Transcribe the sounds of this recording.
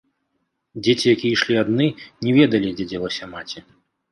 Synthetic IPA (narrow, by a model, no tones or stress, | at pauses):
d͡zʲet͡sʲijakʲijɐiʂlʲiad̪nɨnʲɛvʲɛd̪ɐlʲid͡zʲɛd͡zʲɛlˠɐsʲɐmat͡sʲi